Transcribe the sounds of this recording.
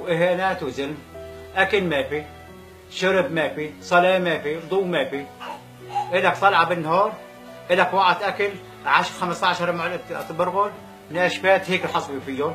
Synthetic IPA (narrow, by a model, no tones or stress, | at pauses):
wʔɪhaːnæːt̪wzɪlmʔakɪlmæːfi | ʃʊɾɪbmæːfisˤɑlaːmæːfibd̪ˤuːmæːfi | ʔɪlakt̪ˤɑlʕabɪnːhɑːɾˤ | ʔɪlakwaʕat̪ʔakɪl | ʕaʃxamst̪ɑʕʃɑɾˤmʕlt̪ˤːbʊɾɣʊl | mnʔæʃbæːt̪heːkɪlħɑsˤbifijːo